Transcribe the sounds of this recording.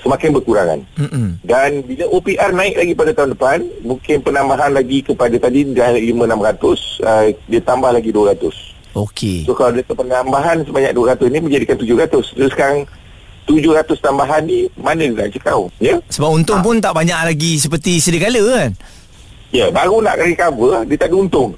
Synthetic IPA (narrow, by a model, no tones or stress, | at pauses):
səmakanbərkuɾaŋa̰nm̩ʔm̩danbiləʔopiʔarnãɪk̚laɡipadat̪aɦundəpanmuŋkɪnpənambaɦanlaɡikəpadat̪adidaanəʔlimə̃namɾat̪ʊsədiat̪ambahlaɡiduəɾat̪ʊs | okʰḛsohkalawdiət̪apənambaɦansəbaɲak̚duəɾat̪ʊsnimə̃ɲd͡ʒadikant̪ud͡ʒʊɾat̪ʊsʊsə̥kaɾaŋ | t̪ud͡ʒʊhɾat̪ʊst̪ambaɦanːimanə̃diəna̰ʔt͡ʃəkawjəsəbapunt̪ʊŋp̬ʊnt̪aʔbaɲaʔlaɡis̬əpərt̪isədikaləkan | ijəbaɾuna̰ʔkaɾikabədiət̪aʔdiunt̪ʊŋ